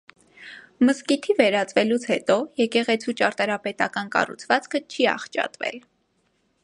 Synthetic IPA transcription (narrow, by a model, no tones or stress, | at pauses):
məskit̪ʰivɛɾɑt͡svɛlut͡sʰhɛt̪ɔjɛkɛʁɛt͡sʰut͡ʃɑɾt̪ɑɾɑpɛt̪ɑ̰kɑnkɑ̰rṵt͡sʰvɑt͡skʰət͡ʃʰiɑ̰χt͡ʃɑ̰t̪vɛ̰l